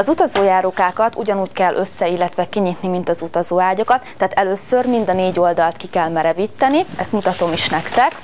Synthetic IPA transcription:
ɒzut̪ɒzoːjaːɾokaːkɒt̪ṵɟɒnuːckɛlːʔø̞sːɛilːɛt̪ʋɛkiɲit̪nimint̪ɒzut̪ɒzoːaːɟɒkɒt̪ːaːt̪ɛløːsørmind̪ɒneːɟo̞ld̪ɒlt̪kikɛlmɛɾɛvit̪ːɛniɛst̪mut̪ɒt̪o̞miʃnɛkt̪ɛk

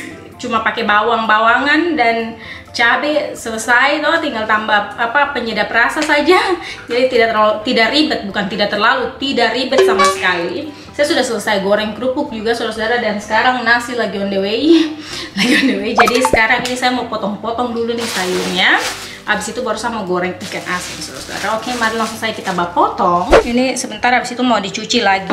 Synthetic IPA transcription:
t͡ʃumapakɛbawaŋbawaŋandan | t͡ʃabɛsələsajt̪ɔt̪iŋɡalt̪ambahapapəɲədaprasasad͡ʒad͡ʒadit̪idaʔt̪ərt̪idaʔribət̪̚bukant̪idaʔt̪ərlalut̪idaʔribət̪̚samasə̥kali | sajasudahsələsajɡoɾɛŋkɾupʊk̚d͡ʒuɡasudaɾasodaɾadansə̥kaɾaŋnasɪlaɡiɔndɛweilaɡiɔndeweid͡ʒadisə̥kaɾaŋinisajamaupɔt̪ɔŋpɔt̪ɔŋdulunɪsajunɲa | ʔabɪsit̪ubaɾusamaɡoɾɛŋikanʔasɪŋsoɾa̰soda̰ɾaokemaɾilaŋsʊŋsajakit̪abapɔt̪ɔŋinisəbənt̪aɾabisit̪umaudit͡ʃut͡ʃilaɡi

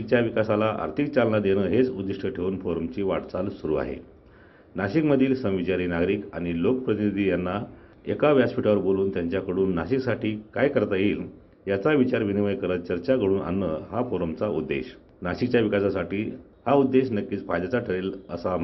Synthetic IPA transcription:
ik̚t͡ɕjaʋikasalaʔa̰ɾt̪ʰik̚t͡salnad̪eɽ̃əɦet͡sud̪iʂʈʰəʈʰeunfoɾəmt͡ɕiːʋaʈt͡salsuɾṵːa̰ɦḛ | naɕikməd̪ʱiːlsə̃w̃ʋit͡ɕaɾiːnaɡɾiːkaɽ̃ilokəpɾət̪inid̪ʱiːjanːa | ekaʋjaspiʈaʋəɾboluːnt̪jaɲt͡ɕjakəɽuːnːaɕiksaʈʰiːkajkəɾt̪ajiːl | jat͡saʋit͡ɕaɾʋiniʋəjkəɾət̪̚t͡ɕəɾt͡ɕakəɽuːna̰nːəhafoɾəmt͡saud̪ːḛɕ | naɕik̚t͡ɕjaʋikasasaʈiː | haud̪ːeɕnəkːiːt͡spajd̪at͡saʈʰəɾeːləsa

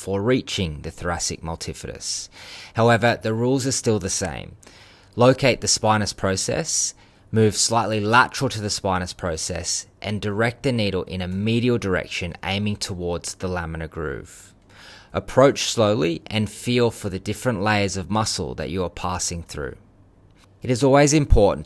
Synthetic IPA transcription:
fə˞ɹit͡ʃɪ̃ŋðɨθɹæsɨ̰k̚mʌlˠtʰɪfɨɾɨ̰shaʊɛvə˞ðɨɹulˠzə˞stɪlˠðɨsḛ̃ɪ̃m | loʊkʰeɪt̪̚ðɨspãɪnɨspʰɹ̥oʊsɛ̰s | mʉv̥slaɪʔˡlilæt͡ʃəɹl̩ˠtʰɨðɨspãɪ̃nɨspʰɹ̥oʊsɛ̰sʔɨ̃ndə˞ɛk̚t̪̚ðɨniɾl̩ˠʔɪ̰̃ñɨmiɾil̩ˠdə˞ɛ̰kʃɨ̃nḛ̃ɪ̃mɪ̃ŋtʰəwɔɹdz̥ðəlæmɨ̃nəɡɹʉ̰v̥ | ʔəpʰɹ̥oʊt͡ʃsloʊlˠiʔɨ̃nfilˠfə˞ðɨdɪfɹɨ̃nʔleɪə˞zʌvmʌsl̩ˠðɨ̰t͡ʃɨə˞pʰæsɪ̃ŋθɹʉ̰ | ɨɾɨzɔlˠwizɨ̃mpʰɔɹʔn̩

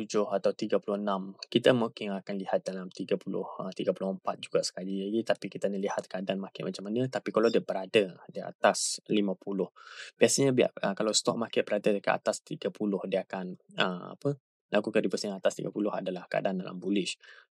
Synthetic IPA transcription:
t̪ud͡ʒʊhat̪awt̪iɡapulʊhnãmkit̪əmukɪŋakanlihat̪̚dalamt̪iɡapulʊ̰hət̪iɡapulʊhəmpat̪̚d͡ʒuɡasə̥kalilaɡit̪apikit̪anəlihat̪̚kəadanmakɪt̪̚mat͡ʃamanət̪apikalawdiabəɾadədia̰t̪aslimãpulʊhb̥iasaɲəbia̰ʔəkalawst̪ɔk̚makɛt̪ʔ̚bəɾadədəka̰ʔa̰t̪ast̪iɡapʰulʊhdiakanəma̰pə | laɡukadibəsɲaat̪ast̪ḭɡa̰pulʊha̰dalahkəa̰danda̰la̰mbulɪʃ

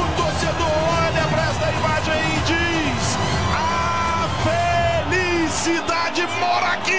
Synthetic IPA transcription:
ũt̪osed̪ʊo | ɐ̃nɐpɾɛst̪ɐimaʒẽj̃ɪd͡ʒi | s | ɐ | feli | sid̪ad͡ʒɪmɔɾaki

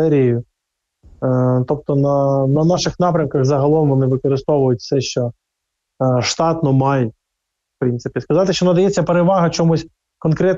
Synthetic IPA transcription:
ɛɾʲijʊ | t̪ɔp̚t̪ɔnɐnɐnɑʃɪxnɑpɾʲɐmkɐxzɐɦɐlˠɔmʋɔnɪʋɪkɔɾɪst̪ɔʋʊjʊtʲfsɛʃt͡ʃɔ | ʃt̪ɑt̪nɔmɑjʊt̚ʲ | fpɾɪnsɪpʲiskɐzɑt̪ɪʃt͡ʃɔʋnɐd̪ɐjɛt͡sʲːɐpeɾeʋɑɦɐt͡ʃɔmusʲ | kɔnkɾɛt̪

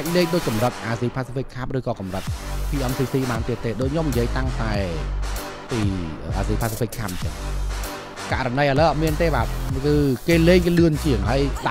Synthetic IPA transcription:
ak̚leːk̚ɗoːc̚kɑmrət̪̚ʔaːziːpʰaːsifikʰːam̚rɨːkɑːkɑmrət̪̚pʰiːʔɔmsiːsiːɓaːnt̪iət̪ːeːɗoːc̚ɲomɲijiəjt̪aŋt̪aɛ | piːəːʔaːziːpʰaːsifikʰːam̚t͡ɕəŋ | kaʔrɑnəjʔələʔɔːt̪̚miənt̪eːɓaːt̪̚kɨːkeːleːŋkelɨənt͡ɕiəŋɦaəjɗ

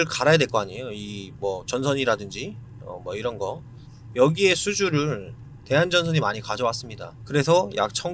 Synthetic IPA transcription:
ɯɭkaɾajadweɭk͈oaɲejoimwʌt͡ɕʌnsʰʌɲiɾadɯnd͡ʑi | ʌ̰mwʌiɾʌnɡʌ | jʌɡie̞sʰud͡ʑuɾɯɭ | te̞ɦand͡ʑʌnsʰʌɲimaɲikad͡ʑʌwas͈ɯmɲida̰kɯɾe̞sʰʌja̰k̚t͡ɕʰʌŋ

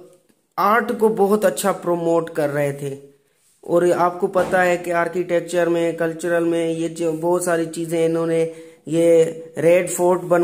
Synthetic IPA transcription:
aːɾʈkobɔɦʊt̪ɐtːʃʰapɾoːmoːʈkɐɾːɐɦet̪ʰeː | ɔ̰ːɾaːp̚kopɐt̪aɦɛkeaːɾkiʈeːk̚t͡ʃəɾmẽkɐlt͡ʃʊɾəlmẽjed͡ʒobɔɦʊt̪saːɾit͡ʃiːzẽɪnɦõːnejeɾeːɖfʰoːɾʈbɐn

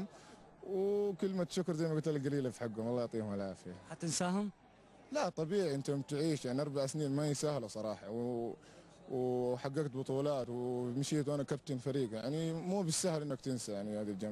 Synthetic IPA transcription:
m | wkɪlmat̪ʃʊkɾzajmaɡʊt̪alɡaliːlafiħaɡːʊmɑlˤːɑːjʕt̪ˤiːhʊmalaːfɪjahat̪ɪnsaːhʊm | lat̪ˤɑbiːʕiʔɪnt̪ʊhmt̪ʕiːʃjaʕniʔɑɾˤbaʕsniːnmajsaːhlasˤɑɾˤɑːħɑw | wħaɡːaɡt̪bʊt̪ˤuːlɑːt̪wmaʃiːt̪wʔanakab̚t̪ɪnfaɾiːɡjaʕnimuːbɪsːahalʔɪnːakt̪ɪnsajaʕnihaːd̪ild͡ʒam

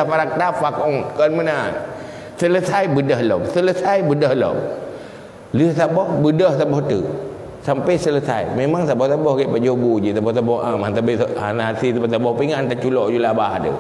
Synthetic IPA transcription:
afaɾak̚tafakɔŋkənməna | sələsajbədəɦlɔmsələsajbədəhlɔ̰m | liəhsabɔhbədəht̪abɔht̪ə | sampəjsələsa̰jmemaŋsabɔht̪abɔhɡɛpad͡ʒobud͡ʒit̪abɔht̪abɔhʔamant̪abianasit̪abat̪̬abɔhpiŋant̪at͡ʃulɔʔd͡ʒulabahdə̰

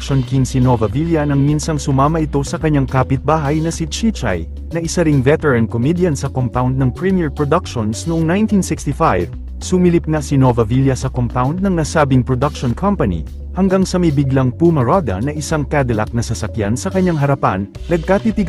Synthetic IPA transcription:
kʃonkinsinovɐviljɐnɐŋminsɐŋsʊmaːmɐʔɪt̪o̞sɐkɐɲːaŋkaːpɪt̪̚baːɦɐjnɐsit͡ʃit͡ʃa̰j | nɐʔɪsɐɾɪŋvɛt̪ɛɹɐn̚komid̪jɐnsɐkompawnd̪̚nɐŋpɹimiɛɹpɹod̪ak̚ʃonsnʊʔoŋnajnt̪insɪkst̪ifajv | sʊmilip̚nɐsino̞vɐviljɐsɐkompawnd̪̚nɐŋnasaːbɪŋpɹod̪ɐkʃonkʰɐmpɐnḭ | hɐŋɡaŋsɐmɐjbɪɡlaŋpumɐɾod̪ɐ̰nɐʔɪsaŋkad̪ɛlɐk̚nɐsɐsɐkjansɐkɐɲːaŋɦɐɾɐpa̰n | nɐɡ̚kat̪it̪iɡ

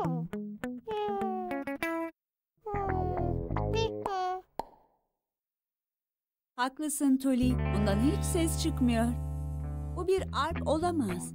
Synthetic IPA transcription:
haklˠɯsɯnt̪ʰølʲibond̪anhit͡ʃsɛst͡ʃʰɯkmɯjo̞ɾ | bubiɾaɾpo̞lˠamaz̥

